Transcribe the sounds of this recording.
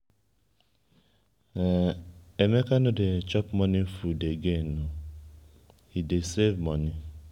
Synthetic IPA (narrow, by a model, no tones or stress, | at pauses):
emekanʊdet͡ʃɔpmɔnifudeɡenu | idesevmɔni